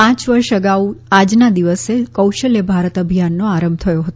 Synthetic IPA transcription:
ãt͡ʃʋəɾʃəɡauad͡ʒnad̪iʋəsekəwʃəljəbʱaɾət̪əbʱjanːoaɾəmb̚t̪ʰəjoɦət̪o

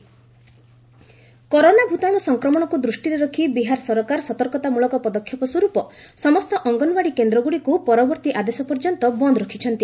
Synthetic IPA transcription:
kɔɾonabʱut̪aɽ̃ɔsɔŋkɾɔmɔɽ̃ɔkud̪ɾusʈiɾeɾɔkʰibiɦaɾsɔɾɔkaɾsɔt̪ɔɾkɔt̪amuɭɔkɔpɔd̪ɔkʰjɔpɔswɔɾupɔsɔmɔst̪ɔʔɔŋɡɔnɔbaɽikend̪ɾɔɡuɽikupɔɾɔbɔɾt̪iʔad̪esɔpɔɾd͡ʒɔnt̪ɔbɔnd̪ɾɔkʰit͡ʃʰɔnt̪i

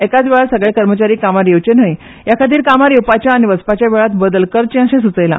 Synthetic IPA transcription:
ekad͡zʋeɭasəɡɭekəɾmət͡ɕaɾiːkamaɾjeʋt͡ɕen̤əj | jakʰat̪iːɾkamaɾjewpat͡ɕjaːniʋəspat͡ɕjabeɭat̪bəd̪əlkəɾt͡ɕẽə̃ɕẽsut͡səjla̰

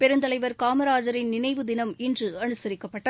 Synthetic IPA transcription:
pɛɾɯnd̪ɐlɐɪʋɐɾkaːmɐɾaːd͡ʒɐɾɪnnɪnɐɪʋɯd̪ɪnɐmɛndrɯɐnɯsɐɾɪkːɐpːɐʈːɐ

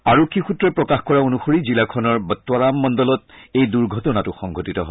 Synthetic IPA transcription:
aɹokʰːixutɹɛpɹɔkaxkɔɹaonuxoɹizilakʰɔnɔɹbtːwaɹamːɔndɔlɔtejduɹɡʱɔtɔnatʊxɔŋɡʱotitɔɦo

